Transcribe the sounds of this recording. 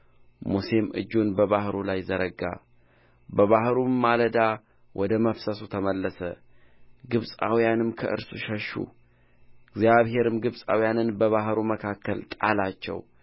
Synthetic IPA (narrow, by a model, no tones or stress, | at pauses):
muse̞mɨ̰d͡ʒːunbəβahɾulajzəɾəɡa̰ | bəβahɾuːaləd̪a | wʔɔd̪əməfsəsut̪ʰəməlːəsə | ɡɨβsʼa̰wijanɨmkʰəʔɨ̰ɾsṵʃəʃːṵ | ɪɡzijaβhe̞ɾɨmɡɨβsʼa̰wijanɨnbəβaɦɾuməkʰakʰːəlt̪ʼalat͡ʃːɛ̰w